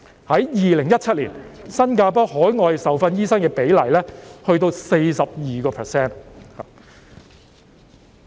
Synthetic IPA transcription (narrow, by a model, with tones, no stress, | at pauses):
hɐ˨˥jjiː˨lɪ˨˩ŋjɐ˥t̚t͡ʃʰɐ˥t̚lḭː˨˩nsɐ˥nkaː˧p̬ɔː˥ɦɔː˨˥jŋɔː˧jsɐ˨˩wfɐ˧njiː˥sɐ˥nkɛː˧pe˨˥jlɐ˨˩jlɛː˥hɵ˧ɥt̪o˧wse˧jsɐ˨p̚jiː˨kɔː˧pʰɛ˨sɛː˥n˨